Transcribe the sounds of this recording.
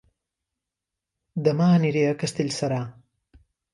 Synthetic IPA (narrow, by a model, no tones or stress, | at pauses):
d̪ɐmaːniɾeɐkɐst̪ilʲsɐɾaː